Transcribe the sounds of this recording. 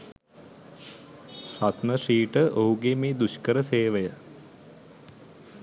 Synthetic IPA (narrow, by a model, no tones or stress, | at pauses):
at̪məʂiːʈəʔoɦuɡeːmeːd̪uʃkəɾəseːʋəjə